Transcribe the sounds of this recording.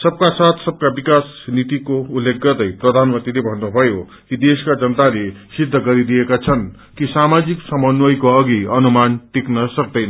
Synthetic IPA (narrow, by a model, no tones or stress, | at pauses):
sʌb̚kasat̪ʰsʌb̚kabikasnit̪ikoulːek̚ɡʌrd̪ʌjprʌd̪ʱanmʌnt̪rilebʱʌnːubʱʌjo | kid̪eskad͡zʌnt̪alesid̪ʱːʌɡʌɾid̪ijekat͡sʰʌn | kisamad͡ziksʌmʌnwʌjkoʌɡiʌnumanʈiknʌsʌk̚d̪ʌjn